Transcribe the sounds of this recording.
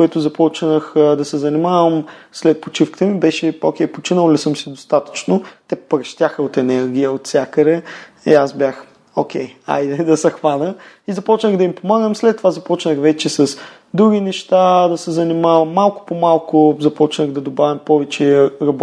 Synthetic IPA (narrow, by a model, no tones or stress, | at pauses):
kʊɛt̪ʊzɐpɔt͡ʃnəxd̪ɐsɛzɐnimavəmslɛt̪̚pot͡ʃifkə̥t̪əmibɛʃɛo̰kʲɛjpot͡ʃinəlˠlisəmsid̪ost̪at̪ə̥t͡ʃnot̪ɛpɾɐʃt̪ʲjaxəot̪ɛnɛɾɡʲijəot̪sʲjakəɾɛ | ḭasbʲjax | okʰʲɛja̰jd̪ɛd̪ɐsɐxvanə | izɐpɔt͡ʃnəɣd̪ɐimpomaɡəmslɛt̪ːovazɐpɔt͡ʃnəxvɛt͡ʃɛsɐs | d̪ɾuɡʲinɛʃt̪ad̪ɐsɛzɐnimavɐmːalˠkʊ̥pomalˠkʊzɐpɔt͡ʃnəɣd̪ɐd̪obavimpɔvɛt͡ʃɛɾɐb